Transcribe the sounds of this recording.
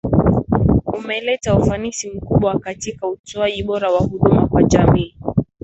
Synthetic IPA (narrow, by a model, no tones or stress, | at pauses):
umɛlɛtaufanisim̩kuɓwakatikautuaʄiɓɔɾawahuɗumakwaʄamiː